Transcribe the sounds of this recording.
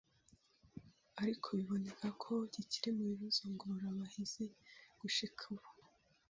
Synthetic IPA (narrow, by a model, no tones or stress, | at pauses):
aɾikʰo̞βiβo̞ne̞kʰakʰo̞ɟiciɾemuiβozoŋɡoɾaβahiz̥e̞ɡ̥uʃikʰaβo